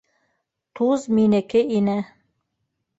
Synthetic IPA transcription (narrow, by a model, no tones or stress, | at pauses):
t̪ʰuzminɘ̆kɘʔinɘ